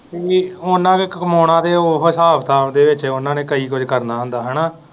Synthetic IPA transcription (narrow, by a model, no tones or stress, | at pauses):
iʊnːãːkekkəmoːɽãːd̪eːoɦəsaːpt̪aːd̪eːʋɪt͡ʃːʊnãːneːkəiːkʊd͡ʒkəɾnaːɦə̃nd̪aːɦənaː